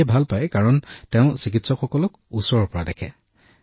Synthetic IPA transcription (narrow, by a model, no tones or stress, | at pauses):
bʱalpajkaɹɔntɛʊ̃sik̬itsɔxɔkɔlɔk | usɔɹɔpɔɹadɛkʰɛ̰